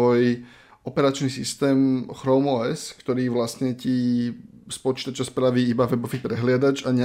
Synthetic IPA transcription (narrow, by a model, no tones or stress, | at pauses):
ɔj | ɔpɛɾat͡ʃnisist̪ɛːmxɾɔmɔɛskt̪ɔɾiːʋlasɲɛci | spɔt͡ʃiːt̪at͡ʃaspɾaʋiːibaʋɛbɔʋiːpɾɛɦlɪad̪ad͡ʒaɲ